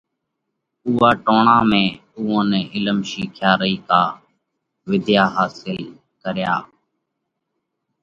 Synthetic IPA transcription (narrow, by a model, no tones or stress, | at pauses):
uːaːʈoːɳãːmẽːuːõːnɛːʔɪləmʃiːkʰjaːɾəiːkaː | ʋɪd̪ʱjaːɦaːsɪl | kəɾjaː